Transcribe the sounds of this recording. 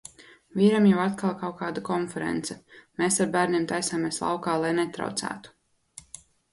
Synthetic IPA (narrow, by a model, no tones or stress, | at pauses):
vʲiːɾamjawat̪kalˠkawkaːd̪akɔnfɛɾɛ̰nt̪sɛmeːsaɾbæːɾniːmt̪ajsaːmeːslˠa̰wkaːlˠajnɛt̪ɾa̰wt̪sæ̰ːt̪u̥